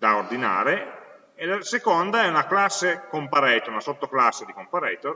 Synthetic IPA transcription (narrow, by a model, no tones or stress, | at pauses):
d̪aord̪ina̰ːɾe | elasekond̪aɛunaklasːekompaɾɛːt̪ounasot̪ːoklasːed̪ikompaɾɛːt̪oɾ